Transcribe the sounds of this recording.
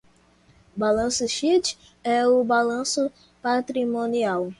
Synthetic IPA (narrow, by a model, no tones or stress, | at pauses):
balɐ̃sʊʃit͡ʃ | ɛʊbalɐ̃sʊ | pat̪ɾimõniaw